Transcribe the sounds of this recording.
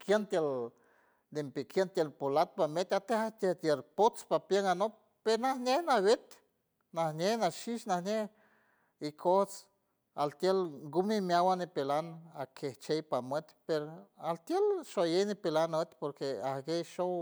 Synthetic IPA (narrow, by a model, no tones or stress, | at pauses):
kʰjent̪jel | d̪empekjent̪jelpolat̪̚pamet̪ʲat̪ehat̪et̪jelpot͡spapjeŋano | peɾnahnʲehnawet̪ | nahnʲehnaʃiʃnahnʲeh | ikʰoht͡s | alt̪jelɡumimjawanipelanakʰeht͡ʃejpamet̪peɾoalt̪jelʃojejnipelanet̪poɾkeahɡejʃow